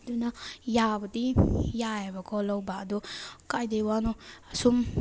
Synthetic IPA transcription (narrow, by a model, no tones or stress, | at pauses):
dunɐjabɐdijajabɐkʰɔlawbaːdukajdejwanusum